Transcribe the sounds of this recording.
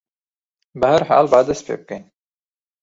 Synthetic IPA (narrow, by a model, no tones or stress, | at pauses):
bəhɐɾha̰ːlbaːd̪ɐspʰḛːb̚kɐn